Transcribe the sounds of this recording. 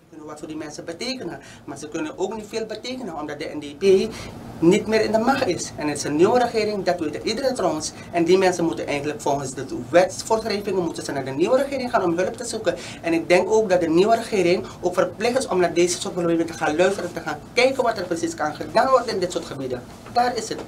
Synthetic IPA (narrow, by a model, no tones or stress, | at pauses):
kɪnəʋatfoːrdimɛnsəbəteːkənən | maːrsəkɵnənʔoːknitfeːlˠbəteːkənənɔmdɑt̚dəʔɛ̰ndeːpeːnitmɪːɾɪndəmɑxtɪsɛnətɪsəniʋəɾəxɪːɾɪŋdɑtʋeːtəʔidəɾətrowəns | ʔɛndimɛnsənmutənʔɛjxəntləkfɔlˠxənsdətʋɛtfoːrsrɛjvɪŋənmutənsənaːdəniʋəɾəxɪːɾɪŋxaːnɔmɦɵləptəzukən | ɛnɪk̚dɛŋkoːk̚dɑt̚dəniʋəɾəχɪːɾɪŋʔoːkfərplɪxtɪsɔmdɑt̚deːzəsoːtlbebɪtəxaːnlœɥstəɾəntəxaːnkɛjkənʋɑtərprəsiskɑnχədaːnʋɔrdənɪndɪtsʊːɹtxəbidə | daːrɪsət